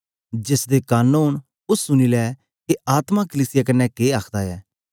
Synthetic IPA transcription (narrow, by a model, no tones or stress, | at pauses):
d͡ʒɪsd̪ekaːnuːn | ʊsːʊniːlɛː | keaːt̪mãkəliːsɪjak̬ənːɛkeːaːkʰd̪aɛː